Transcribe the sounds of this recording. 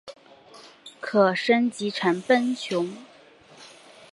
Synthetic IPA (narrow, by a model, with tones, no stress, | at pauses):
kʰɤ˨˩ʂə˥nt͡ɕi˧˥ʈ͡ʂʰa˧˥npə˥nt͡ɕʰjʊ˧˥ŋ